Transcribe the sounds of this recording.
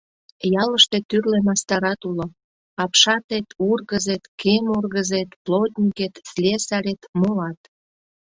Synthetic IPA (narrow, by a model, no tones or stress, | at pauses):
jɑləʃt̪et̪yrlenɑst̪ɑɾɑt̪ulo | ɑpʃɑt̪et̪urɣəzet̪kʰemurɣəzet̪plod̪ʲnʲiket̪slʲesɑɾet̪molɑt̪